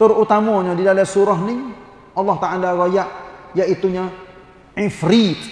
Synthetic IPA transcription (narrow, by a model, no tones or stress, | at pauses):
t̪əɾut̪amɔɲãdidalasuɾɔɦni | ʔɑlːɑht̪aalaɾɔjaʔjaʔit̪uɲa | ifɾit̪